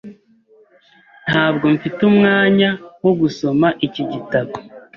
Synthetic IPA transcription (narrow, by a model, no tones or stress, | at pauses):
n̥haːb̚ɡo̞ɱfitumŋaːɲawoɡuso̞maʔiciɟitaβo